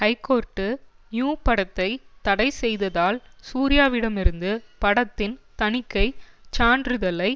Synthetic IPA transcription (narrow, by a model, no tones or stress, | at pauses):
hɐɪkːoːɾʈːɯ | njuːpɐɽɐt̪ːɐɪt̪ɐɽɐɪsɛjðɐðaːlsuːɾɪjaːʋɪɽɐmɪɾɯnd̪ɯpɐɽɐt̪ːɪnt̪ɐɳɪkːɐɪt͡ʃaːɳɖɾɯðɐlɐɪ